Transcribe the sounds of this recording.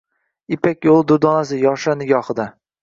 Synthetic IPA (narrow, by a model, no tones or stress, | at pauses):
ɪpʰakʲjolˠd̪ʊd̪ɒnasɪjɒʃanɪɡʲɒχɨd̪a